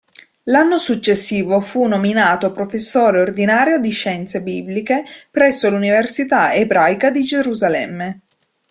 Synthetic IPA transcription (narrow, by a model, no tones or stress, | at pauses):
lanːosut͡ʃːesːiːvofunominaːt̪opɾofesːoːɾeord̪inaːɾjod̪iʃːɛnt̪sebiblikepɾɛsːoluniversit̪aebɾajkad̪id͡ʒeɾuzalɛmːe